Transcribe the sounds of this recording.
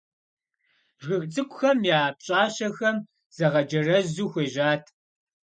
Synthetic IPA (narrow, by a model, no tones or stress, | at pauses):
ʒɨxʼt͡sʼɨkʷʊxɐmjaːpɕʼaːɕɐxɐm | z̥ɐʁɐd͡ʒɐrɐzuːxʷeːʒaːtʰ